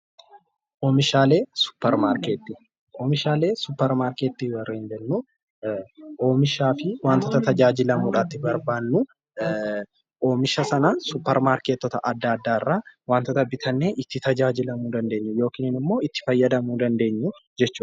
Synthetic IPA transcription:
ʔoːmɪʃaːle̞ːsʊ̥pːɛɾmaːɾkeːt̪ːiː | ʔoːmɪʃaːle̞ːsʊpːɛɾmaːɾkeːt̪ːiːwɐrːeːnd͡ʒɛnːu | ʔo̞ːmɪʃaːfɪwaːnt̪ɔt̪ɐt̪ɐd͡ʒaːd͡ʒɪlɐmuːᶑaːt̪ːɪbɐɾbaːnːʊ | ʔo̞ːmɪʃɐsɐnɐsʊpːɛɾmaːɾkeːt̪ːɔt̪ɐʔɐd̪ːaːɐd̪ːaːɪrːaːwaːnt̪ɔt̪ɐbɪt̪ʰɐnːeʔɪt̪ːɪt̪ɐd͡ʒaːd͡ʒɪlɐmuːd̪ɐnd̪e̞ːɲːʊjo̞ːkiːnɪnɪmːo̞ːɪt̪ːɪ̥fɐjːɐd̪ɐmuːd̪ɐnd̪e̞ːɲːʊd͡ʒɛt͡ʃːuːᶑ

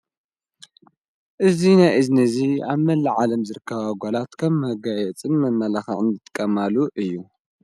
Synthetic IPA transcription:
ʔɨzinajʔɨznɐziaβmɐlːɨʕalɐmzɨɾɨkʰːɐβaɡʷolat̪kʰɐmhɐɡajɛt͡sʼɨnmɐmːɐlaxɐ̰ʕɨnd̪ɨt̪ʼɨ̥kʼːɐmaluʔɨjːu

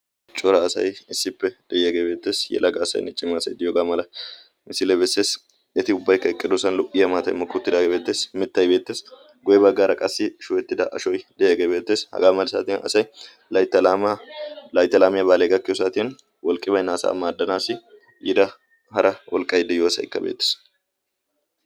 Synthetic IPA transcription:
t͡ʃʼɔɾɐːsɐ̰jɪsːɪpːɛd̪̥ɛjɐɡebeːt̪ːeːsjɛ̰lɐɡɐːsɐ̰j̰nɪt͡ʃʼːɪmɐːsɐjd̪ɪjoːɡaːmɐlɐ | mɪsɪlebɛsːe̞ːs | ɛt̪ɪʊbːɐjkːɐɛkʼːɪd̪ʊsɐnlʊʔɪjɐmaːt̪ɐjmɐkːʊt̪ːɪd̪aːɡebeːt̪ːe̞ːsmɪt̪ːɐjbe̞ːt̪ːe̞ːs | ɡʊjɛbɐɡːaɾɐkʼɐsːɪʃʊwɛt̪ːɪd̪ɐʔɐ̰ʃɔjd̪ɛjɛɡebe̞ːt̪ːeːshɐ̰ɡaːmɐlsa̰ːt̪ɪnɐ̰sɐj | lɐt̪ːɐ | lɐjt̪ːɐlaːmɪjɐbaːleɡɐkːɪjosaːt̪ɪn | wɔlkʼːɪbɐjnaːsa̰ːmːaːd̪ːɐnaːsɪ | ʔɪd̪ɐ | hɐɾɐwʔɔlkʼɐjd̪ɛjoːɐsɐ̰jɪ̰kːɐ̰bḛːt̪ːe̥s

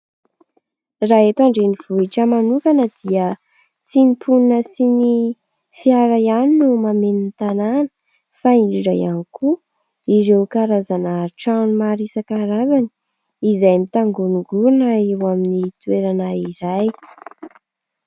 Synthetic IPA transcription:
raɦet̪aɳɖ͡ʐeniv̥uiʈ͡ʂəmanukanəd̪̥iə | t͡sinipʰuninəsini | fiaɾajaninumamenint̪ananə̥ | faiɳɖ͡ʐiɖ͡ʐajaniku | iɾewkaɾazanaʈ͡ʂanmaɾisakaɾazani̥ | izajmit̪aŋɡunuɡuɾunaewaminit̪ueɾanaiɾaj

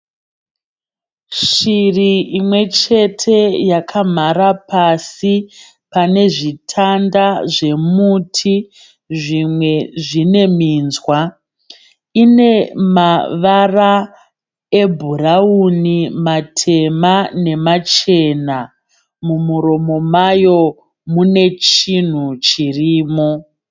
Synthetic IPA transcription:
ʃiriimwe̞t͡ʃe̞tʰe̞jakʰam̤aɾapasi | pane̞ʐitʰandaʐe̞mutʰi | ʐimwe̞ʐine̞miːnzwa | ine̞maʋara | e̞bʱuraunimatʰe̞mane̞mat͡ʃe̞na | mumuɾo̞mo̞majo̞ | mune̞t͡ʃin̤ut͡ʃiriːmo̞

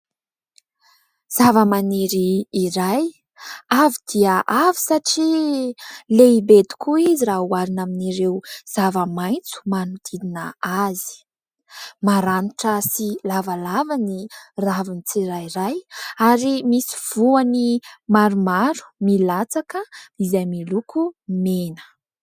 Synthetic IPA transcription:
z̥avəmaneɾiːɾaj | avid̪̥iəʔavi̥saʈ͡ʂi | leibed̪i̥kuiziraɦuaɾinaminiɾewz̥avəmajnt͡su̥manud̪̥ininəazi̥ | maɾaniʈ͡ʂəsilavalavaniravinit͡siɾajiɾajaɾimisi̥v̥uanimaɾumaɾu̥milat͡sakəizajmilukʰumenə̥

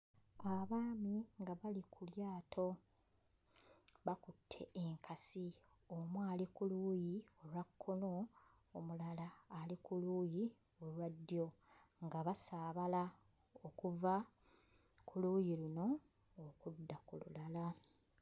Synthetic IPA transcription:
aβaːmiŋɡaβalikʰuljaːtʰo̞ | βakutʰːe̞ʔeŋkʰasi | omwaːlikuluːjio̞lwakʰːo̞no̞ | omulalaːlikuluːji | olwadːjo̞ | ŋɡaβasaːβala | okuva | kʰuluːjiluno̞ː | kudːakulṵlala

